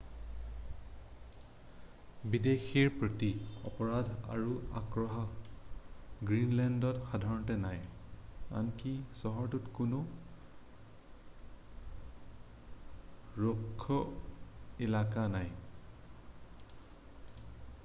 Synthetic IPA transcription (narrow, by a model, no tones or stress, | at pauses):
bidexʰiɹpɹotiɔ̰pɔɹadʱa̰ɹua̰kɹɔɦɔ | ɡɹinlɛndɔtxadʱaɹɔntɛnaj | a̰nkisɔɦɔɹtutkʊnʊ | ɹokʰːɔ | ɛlakanaj